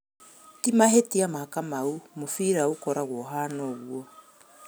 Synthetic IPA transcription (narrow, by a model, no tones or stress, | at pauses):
timaɦetiamaakamaumufiɾaukoɾaɣoɦaːnoɣuo